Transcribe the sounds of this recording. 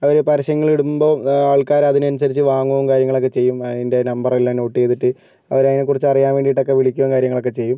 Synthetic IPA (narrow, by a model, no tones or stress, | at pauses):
ɐʋɐɾepɐɾɐɕɐŋːɐɭiɽumbo̞ːaːɭkaːɾɐðinɨɐnus̬ɐɾit͡ɕːɨʋaːŋːuʋumkaːɾjɐŋːɐɭo̞k̬ːe̞t͡ɕe̞jːumɐðinde̞nɐmbɐrilːano̞ːʈːie̞jt̪ːiʈːɨ | ɐ̰ʋɐɾeŋːɐnekurit͡ɕːɐrijaːnʋe̞ːɳɖiʈːo̞kːe̞ʋiɭikʲːuʋɐmkaːɾjɐŋːɐɭo̞kːe̞t͡ɕe̞jːum